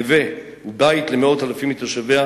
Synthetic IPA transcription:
ve | ubait̪le̞meo̞talafimit̪oʃavea

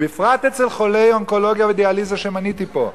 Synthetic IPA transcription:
bifʁat̪et͡selχo̞lejoŋko̞lo̞ɡjaved̪ealizaʃemanit̪ipo̞̰

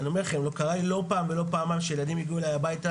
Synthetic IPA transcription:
nio̞me̞ʁlχemlo̞kaʁalilo̞paːmbelo̞paːmajmʃeje̞lad̪imjiɡiulajabajta

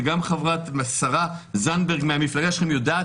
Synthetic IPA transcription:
ɡamχavʁat̪masaʁa | zanbeʁɡmeamiflaɡaʃeχemjod̪aː

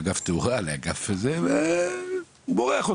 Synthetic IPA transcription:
ɡaft̪euʁaleaɡafezeve | uboʁeaχo

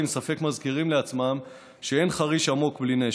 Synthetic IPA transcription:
imsafe̞kmazkiʁimleat͡smam | ʃee̞nχaʁiʃamo̞kbline

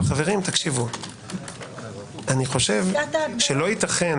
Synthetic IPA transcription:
χave̞ʁimt̪akʃivu | aniχo̞ʃe̞vʃelo̞it̪aχen

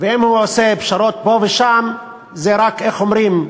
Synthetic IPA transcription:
veimhuosepʃaɾot̪̚boveʃam | zeɾakeχomɾim

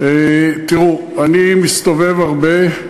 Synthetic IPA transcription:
et̪iʁu | animist̪ove̞vaʁbe̞

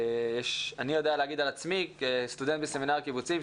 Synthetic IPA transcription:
jeʃanijo̞d̪ealeaɡid̪alat͡smikest̪ud̪ent̪̚beseminaʁkibut͡sim

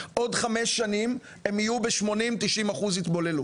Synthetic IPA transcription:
ʔo̞dχameʃːanim | e̞mijubeʃmo̞nimt̪iʃimaχuzit̪bo̞le̞lu

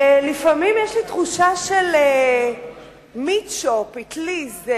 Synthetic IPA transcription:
lifamimjɛʃlit̪χuʃaʃele | mitʃopitliz

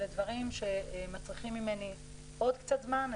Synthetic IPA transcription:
led̪vaʁimʃe̞mat͡sʁiχimːime̞ni | ʔo̞d̪kt͡sat̪zman

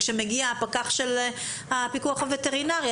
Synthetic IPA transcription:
ʃemeɡiaːpakaχʃel | apikuaχavete̞ʁinaʁj

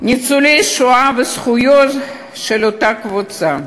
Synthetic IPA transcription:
nʲit͡sulejʃuavesχujot̪ | ʃelot̪akvut͡sa

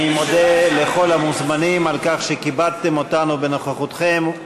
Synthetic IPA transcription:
imo̞d̪ele̞χo̞lamuzmanimalkaχʃekibad̪t̪emo̞t̪anube̞noχaχot̪χem

